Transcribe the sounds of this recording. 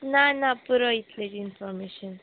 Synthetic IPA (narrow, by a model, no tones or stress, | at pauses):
nanapuɾɔit̪ʰledinfɔɾmeʃɔn